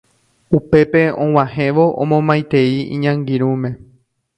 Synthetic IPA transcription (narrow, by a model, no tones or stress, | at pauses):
upe̞pe̞õw̃ãhẽ̞ʋoʔõ̰mõmãjt̪eiḭ̃ɲãŋɡiɾ̃ũmẽ̞